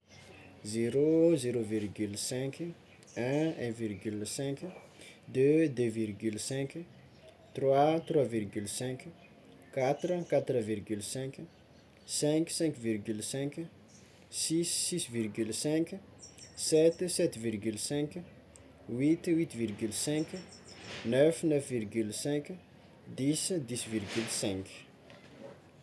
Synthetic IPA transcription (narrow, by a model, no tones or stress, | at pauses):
zeɾozeɾovirɡylsɛ̃kʰ | ɛ̃ɛ̃virɡylsɛ̃kʲ | d̪ød̪øvirɡylsɛ̃k | t̪rwat̪rwavirɡylsɛ̃kʲ | kat̪rəkat̪rəvirɡylsɛ̃kʲ | sɛ̃ksɛ̃ŋkvirɡylsɛ̃kʲ | sisːisvirɡylsɛ̃kʲ | sɛt̪sɛt̪virɡylsɛ̃ŋkʲ | wit̪wit̪virɡylsɛ̃kʲ | nœfnœfvirɡylsɛ̃kʲ | d̪isd̪isvirɡylsɛ̃ŋkʲ